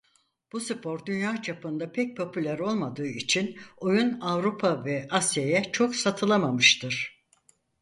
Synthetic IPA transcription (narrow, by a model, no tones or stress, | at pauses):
b̥usɯpʰo̞ɾd̪ynjaːt͡ʃʰapɯnd̪apʰɛc̚pʰo̞pʰylʲæɾo̞lˠmad̪ɯːit͡ʃʰinojunavɾupʰavɛasjajɛt͡ʃʰo̞ksat̪ʰɯlˠamamɯʃt̪ʰɯɾ̥